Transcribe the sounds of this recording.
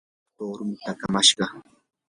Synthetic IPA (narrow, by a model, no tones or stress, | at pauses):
t̪oːɾʊmt̪akamaʃɢɑ